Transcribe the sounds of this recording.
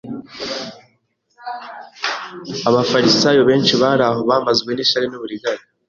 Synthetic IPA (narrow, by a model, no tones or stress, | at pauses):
aβafaɾisaːjoβe̞ːnʃiβaɾaɦoβaːmazɡwe̞niʃaɾenuβuɾiɡaɾi